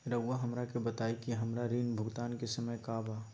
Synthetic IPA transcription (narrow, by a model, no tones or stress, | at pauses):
ɾəɡʋaɦɐmɾakebɐt̪aːikiɦɐmɾaɾiːnbʱʊɡt̪aːnkesɐməjkaːbaː